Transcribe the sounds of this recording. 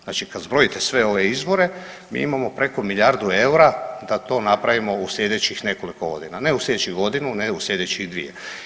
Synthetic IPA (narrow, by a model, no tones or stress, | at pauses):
znaːt͡ʃikad̪zbɾoit̪esʋe̞o̞ʋeizbo̞ɾe̞ | mḭːimamo̞pɾe̞ko̞miʎaɾd̪ue̞uɾad̪at̪o̞ːnapɾaʋimo̞uslʎʲe̞d̪e̞t͡ɕixne̞kolikoɡo̞̰d̪inane̞uslʲjeet͡ʃiɣɡo̞d̪inuneuslʲʎʲe̞d̪et͡ɕiɣd̪ʋḭjḛ